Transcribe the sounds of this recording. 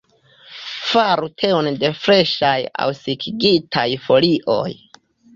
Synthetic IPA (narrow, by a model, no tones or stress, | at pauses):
faɾutʰe̞onde̞fɾe̞ʃaja̰wsikʰiɡitʰajfo̞liʔo̞̰j